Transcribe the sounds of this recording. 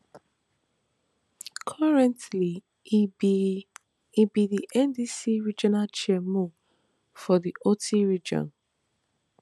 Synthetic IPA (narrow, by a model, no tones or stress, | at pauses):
kʰɔɹɛ̃ntli | ibiðiʔɛndisiɹid͡ʒɔnalt͡ʃiɛmu | fɔðiʔotiɹid͡ʒɔ̰̃n